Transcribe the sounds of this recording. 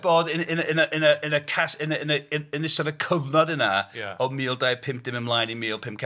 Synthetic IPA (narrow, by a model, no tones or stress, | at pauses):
bɔːdɪnɪnənəʔənəənəkʰasɪnənənənɪsɔnəkʰəvnɔdɪnaɔmiːlˠdajpʰɪmp̚d̥ɪməmlˠajnimiːlˠpʰɪ̃mp̚kʰ